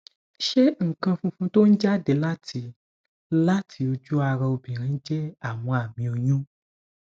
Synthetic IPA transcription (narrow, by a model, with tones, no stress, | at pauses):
ʃe˦ŋ̩˨kã˧fũ˧fũ˧t̪o˦n̩˦d͡ʒa˦de˨la˦tʰi˧ | la˦tʰi˨o˧d͡ʒu˦a˧ɾɛ̃˧o˧bĩ˨ɾĩ˦d͡ʒɛ˦a˨mɔ̃˨a˨mĩ˨o˨ɲũ˦